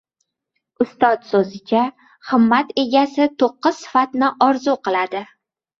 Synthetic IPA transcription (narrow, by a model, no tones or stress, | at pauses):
ʊst̪ɒt̪sɵzɪt͡ʃʰa | χɨmːat̪e̞ɡʲasɪt̪ʰoqːɨz̥sɪ̥fat̪nɪʔɒɾzuqɨlˠad̪ɪ